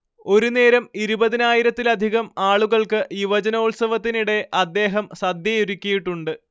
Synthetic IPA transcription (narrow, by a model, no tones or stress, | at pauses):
o̞ɾune̞ːɾɐmiɾubɐðinaːjiɾɐt̪ːilɐd̪ʱiɣɐmaːɭuɣɐɭkɨʔiʋɐd͡ʑɐnɐuɭsɐʋɐt̪ːiniɽe̞ʔɐd̪ːe̞ːɦɐmsɐd̪jɐjuɾukʲːɐjiʈːuɳɖɨ